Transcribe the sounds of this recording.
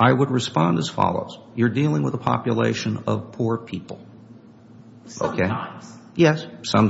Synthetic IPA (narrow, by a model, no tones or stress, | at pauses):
ʔaɪwəd̚ɹɨspɑ̃ndɨz̥fɑ̰lˠo̰ʊz̥ | jə˞dilˠɪ̃ŋwəðəpʰɑ̰pjɨlḛɪʃɨ̃nʌv̥pʰuɹpʰipl̩ˠ | oʊkʰeɪjɛssʌ̃m